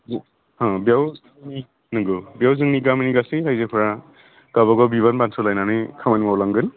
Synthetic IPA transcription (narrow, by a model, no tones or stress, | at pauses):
hãbjawzɯni | nɯɡɯbjawzɯŋniɡaminiɡaseɾajzepʰɯɾa | ɡ̥aβɔɡɔbiβanbansʰɔlajnanɯkʰamanimawlaŋɡɯn